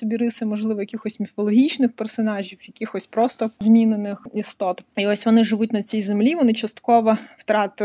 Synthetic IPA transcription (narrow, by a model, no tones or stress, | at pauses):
sɔbʲiɾɪsɪmɔʒlˠɪʋɔjɐkʲixɔsʲmʲifɔlˠɔɦʲit͡ʃnɪxpersɔnɑʒʲiwjɐkʲixɔsʲpɾɔst̪ɔzʲmʲinenɪxist̪ɔt̪iɔsʲʋɔnɪʐɪʋut̚ʲnɐt͡sʲijzemlʲiʋɔnɪt͡ʃɐst̪kɔʋɐwt̪ɾɑt̪ɪ